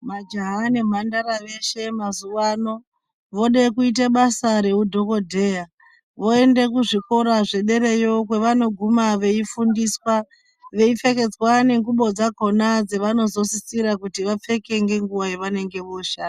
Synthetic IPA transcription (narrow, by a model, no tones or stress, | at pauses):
mad͡ʒaɦane̞m̤andaɾaʋe̞ʃe̞mazuwano̞ | ʋo̞ɗekuit̬eɓasaɾe̞udʱo̞ko̞dʱe̞ːja | ʋo̞e̞nde̞kuʐiko̞ɾaʐe̞ɗe̞ɾe̞jo̞k̬we̞ʋano̞ɡʱumaʋe̞ifundiswa | ʋe̞ife̞ke̞d͡zwane̞ŋɡuɓo̞d͡zaɡʱo̞nad͡zeʋano̞zo̞sisiɾakutiʋap͡fe̞ke̞ŋɡe̞ŋɡuwajeʋane̞ŋɡe̞ʋoʃaːna